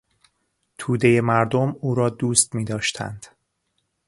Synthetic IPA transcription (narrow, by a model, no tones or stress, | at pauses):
t̪ʰuːd̪e̞je̞mæɾd̪omuːɾɒːd̪uːst̪miːd̪ɒːʃt̪ʰæ̰nd̪̥